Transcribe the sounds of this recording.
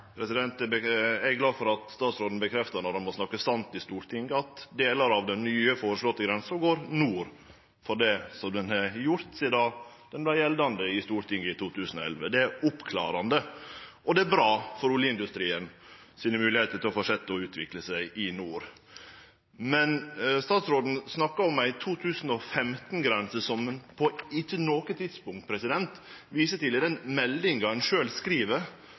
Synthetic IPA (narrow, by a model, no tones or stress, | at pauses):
pʰɾɛsɪd̪ɛnt̪ɛbəæɾɡlɑːfɔɾɑt̪st̪ɑːt̪sɾoːd̪n̩bəkʰɾɛft̪ɑnɔdɛnmɔsnɑkːəsɑnt̪ɪst̪uːɾt̪ʰɪŋɡəɑt̪d̪eːlɑɾɑʋd̪ɛnnyːəfoːɾəʂlɔt̪ːəɡɾɛnsɔɡoːɾnuːɾ | fɔɖɛsɔmd̪ɛnhɛjʊɾt̪sɪd̪ɑː | d̪̥ɛnblæɪjɛld̪ɑnd̪əɪst̪uːɾt̪ʰɪŋɡəɪt̪uːt̪ʰʉːsən̩ɔɛ̰lʋəd̪ɛæɾʊpkʰlɑ̰ːɾɑnd̪əʔɔd̪ɛæɾbɾɑːfɔɾʊləɪnd̪ʉst̪ɾiːən | siːnəmʉːlɪheːt̪ət̪ɪlɔfɔʂɛt̪ːəɔʉːt̪ʰʋɪkləsæɪʔɪnuːɾ | mɛnst̪ɑːt̪sɾoːd̪n̩snɑkːɑɔmæɪt̪ʰuːt̪ʰʉːsn̩ɔfɛmt̪n̩ɡɾɛnsəsɔmənpʰɔɪt͡ʃːənoːkət̪ʰɪd̪spʊŋkt̪̚pʰɾɛsɪd̪ɛnt̪ʋiːsət̪ɪləd̪ɛnmɛld̪ɪŋɡɑɛnʂøːlskɾiːʋəɾ